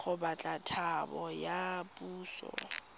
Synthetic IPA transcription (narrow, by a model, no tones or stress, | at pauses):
χʊbat͡ɬʼatʰabɔjapʼuːsɔ̰